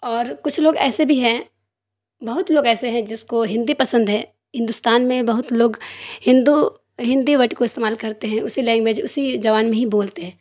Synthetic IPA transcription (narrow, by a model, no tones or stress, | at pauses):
ɔːɾkʊt͡ʃʰloːɡɛ̰ːsebʱiɦɛ̃ | bɐɦʊt̪loːɡɛːseɦɛ̃d͡ʒɪskoɦɪ̃nd̪ipɐsə̃nd̪ɦɛ̃ː | ɦɪ̃nd̪ʊst̪aːnmẽbɐɦʊt̪loːɡhɪ̃nd̪u | ɦɪ̃nd̪iʋɐʈkoɪst̪eːmaːlkɐɾt̪eɦɛ̃ʊsilɛ̃ːŋkbeːd͡ʒʊsid͡ʒɐʋaːnmẽɦiboːlt̪eɦɛ̃ː